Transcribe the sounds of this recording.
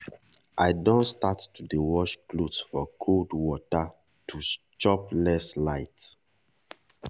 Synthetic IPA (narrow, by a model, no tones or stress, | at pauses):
ʔaɪdõnstatːudewɔʃklodsfɔkʰoldwɔta | tʰust͡ʃɔplɛslaɪt